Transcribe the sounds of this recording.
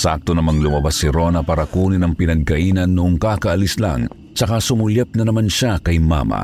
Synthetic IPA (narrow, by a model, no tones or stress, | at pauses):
sa̰k̚t̪onɐmɐŋlʊumabasɪɾonɐpaːɾɐkuːninɐŋpɪnɐɡ̚kɐʔiːnɐnːʊʔoŋkaːkɐʔɐlisla̰ŋ | t͡ʃɐkasʊmʊlɛp̚nɐnɐmanʃakɐjma̰ma̰